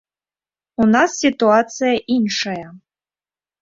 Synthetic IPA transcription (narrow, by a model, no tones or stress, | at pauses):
unasːʲit̪uat̪sɨjɐʔinʂɐjɐ